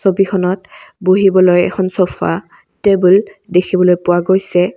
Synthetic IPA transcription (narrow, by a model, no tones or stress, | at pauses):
sobikʰɔnɔtboɦibɔlojɛ̰kʰɔnsɔpʰa̰ | tebuldekʰibɔlojpʊwaɡojsɛ